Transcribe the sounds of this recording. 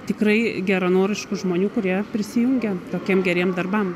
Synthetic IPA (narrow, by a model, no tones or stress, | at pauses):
t̪ʲɪkɾɐɪɡʲæɾɐnoːɾʲɪʃkʊʒmoːnʲuːkʊɾʲiɛpʲɾʲɪsʲɪjʊŋʲɡʲɛt̪oːkʲiɛmɡʲɛɾʲiɛmd̪ɐrbɐm